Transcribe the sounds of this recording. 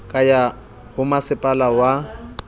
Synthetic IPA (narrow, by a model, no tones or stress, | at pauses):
kʼaja | hʊmasɪpʼalawa